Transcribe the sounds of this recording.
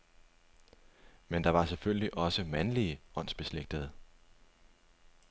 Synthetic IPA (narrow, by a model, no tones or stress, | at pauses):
mend̥ɑ̈ʋɑ̈selfølliʔɒ̽səmænliəɒ̽n̰sb̥e̝sleɡ̥̚d̥əð̞̩ˠ